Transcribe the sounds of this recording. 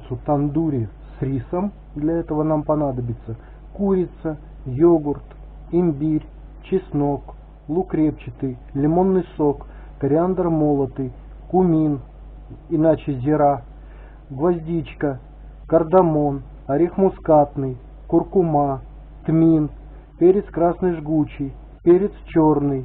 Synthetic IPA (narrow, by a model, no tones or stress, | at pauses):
t̪sʊt̪ɐnd̪uɾʲɪsɾʲisəm | d̪lʲɐɛt̪əvənampɐnad̪əbʲɪt̪sə | kuɾʲɪt̪sə | joɡʊrt̪ | ɪmʲbʲirʲ | t͡ɕɪsno̞k | lˠʊkɾʲep̚t͡ɕɪt̪ɨjlʲɪmo̞nːɨjso̞kː | əɾʲɪand̪rmo̞lˠət̪ɨj | kʊmʲin | ɪnat͡ɕɪzʲɪɾa | ɡvɐzʲdʲit͡ɕkə | kərd̪ɐmo̞n | ɐɾʲɪxmʊskat̪nɨj | kʊrkʊma | t̪mʲin | pʲeɾʲɪt̪skɾasnɨjʐɡut͡ɕɪj | pʲeɾʲɪt̪st͡ɕornɨj